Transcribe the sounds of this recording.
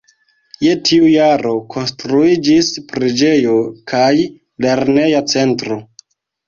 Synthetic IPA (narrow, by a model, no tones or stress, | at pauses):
je̞tʰiujaɾo̞kʰo̞nstɾuid͡ʒispɾid͡ʒe̞jo̞kʰaj | le̞ɾne̞jat͡se̞ntɾo̞